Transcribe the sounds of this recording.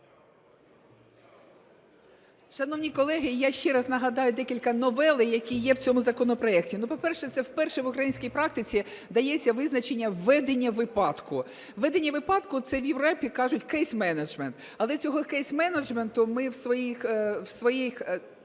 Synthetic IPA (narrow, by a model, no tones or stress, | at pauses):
ʃɐnɔʋnʲikɔlˠɛɦɪjaʃt͡ʃɛɾɐznɐɦɐd̪ɑjʊd̪ɛkʲilʲkɐnɔʋɛlˠɪjɐkʲijɛwt͡sʲɔmʊzɐkɔnɔpɾɔɛk̚tʲinupɔpɛrʃɛt̪sɛwpɛrʃɛʋʊkɾɐjinʲsʲkijpɾɑk̚t̪ɪt͡sʲid̪ɐjɛt͡sʲːɐʋɪznɐt͡ʃenʲːɐʋɛd̪enʲːɐʋɪpɑt̪kʊ | ʋɛd̪enʲːɐʋɪpɑt̪kʊt̪sɛwjeʋɾɔpʲikɑʒʊtʲkɛjsmɛnɐd͡ʒment̪ | ɐlˠɛt͡sʲɔɦɔkɛjsmɛnɐd͡ʒment̪ʊmɪwsʋɔjixwsʋɔjix